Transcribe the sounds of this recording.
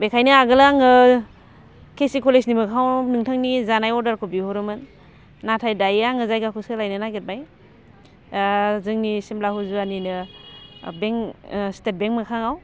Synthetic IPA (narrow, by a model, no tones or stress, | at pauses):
bekʰajnɯaɡɯlaaŋɯ | kʰesikɔleznimɯkʰawnɯŋtʰaŋnizanajɔɾdaɾkʰobihuɾɯmɯnː | atʰajdajaŋɯzajɡakʰusɯlajnɯnaɡet̚baj | zɯŋnisimlaɦuzuaninɯ | beŋstet̚beŋmɯkʰaŋaw